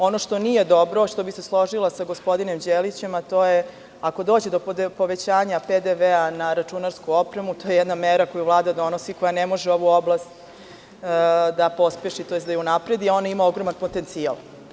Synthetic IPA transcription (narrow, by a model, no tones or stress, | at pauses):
o̞no̞ʂt̪o̞nije̞d̪o̞bɾo̞ʂt̪obise̞slˠo̞ʒilasaɡo̞spo̞d̪ine̞md͡ʑelit͡ɕe̞mat̪oːje | ako̞d̪oːd͡ʑed̪o̞p̪po̞ʋe̞t͡ɕaːɲaped̪eʋeanaɾat͡ʂunaɾskuo̞pɾemut̪o̞ːjejɛd̪nameɾakojuvlˠaːd̪ad̪o̞no̞siko̞janemo̞ʒeo̞ʋuo̞blast̪ | d̪apo̞speʃit̪ojed̪ajunapɾed̪io̞naimaoɡɾo̞manpo̞t̪e̞nt̪sia̰lˠ